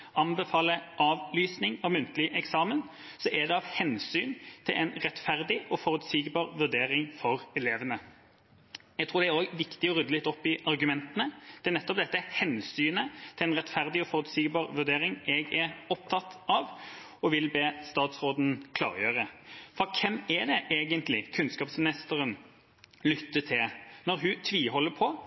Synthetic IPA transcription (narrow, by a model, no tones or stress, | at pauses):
ʔɑnbɛfɑːləʔɑːʋlyːsnɪŋɑʋmʉnt̪lɪʔɛksɑːmən | sɔʔɛd̪ɛɑʋhɛnsyːnt̪ʰɪlʔɛnʁɛt̪fæʁd̪ɪʔɔfɔʁʉt̪siɡbɑːʁʋʉʁd̪eːʁɪŋfɔʁɛleːʋənə | jɛɡt̪ʁuːd̪ɛæɾoːɡʋɪkt̪ɪɔʁʉd̪əlɪt̪ːɔpːɪʔɑʁɡʉmɛnt̪ənəd̪̥ɛæʁnɛt̪ːɔp̚d̪ɛt̪ːəhɛnsyːnət̪ʰɪlɛnʁɛt̪fæʁd̪ɪɔfɔʁʉt̪siɡbɑːʁʋʉʁd̪eːɾɪŋɛɡɛɾɔp̚t̪ʰɑt̪ʔɑʋ | ɔʋɪlbeːst̪ɑːt̪sʁoːd̪n̩kʰlɑ̰ːʁjøːʁəfɔɾkʰɛmæd̪ɛʔeːɡənt̪lɪkʰʉnskɑːpsmɪnɪst̪əʁən | lʏt̪ːət̪ʰɪlnɔʁɦʉt̪ʰʋiːhɔlːəpʰɔ